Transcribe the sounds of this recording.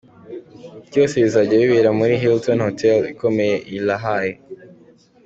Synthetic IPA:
ɟoːseβizaɟeβiβiɾamuɾiɦiltonhotʰelikʰo̞me̞jeʔilaɦaje

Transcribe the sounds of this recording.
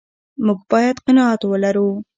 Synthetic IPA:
muɡbɑjat̪qɪnɑat̪wəlaɾu

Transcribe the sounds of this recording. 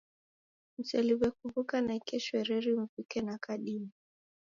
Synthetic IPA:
m̩sɛliwɛkuvukanaikɛʃwɛɾɛɾim̩fikɛnakaɗimi

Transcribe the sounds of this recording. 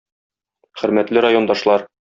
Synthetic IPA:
χɵ̆ɾmæt̪lɘɾajo̞nd̪ɑʃlˠɑɾ

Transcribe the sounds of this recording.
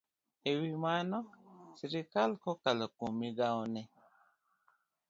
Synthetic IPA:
ewimanɔsiɾikalkɔkalɔkomiɡawnɛ

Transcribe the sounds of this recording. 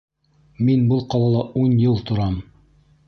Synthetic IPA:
minbɤlˠqɑlˠɑlˠɑunjɤlˠt̪ŏɾɑm

